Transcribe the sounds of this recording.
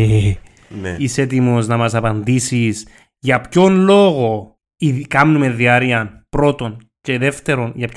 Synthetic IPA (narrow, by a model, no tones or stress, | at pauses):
e | iset̪̬imoznɐmɐsɐpɐnd̪isis | ʝɐpço̞nlo̞ɣo̞ | iðkɐmnumeðiɐɾiɐnpɾo̞t̪o̞n | ce̞ðe̞ft̪e̞ɾo̞nʝɐp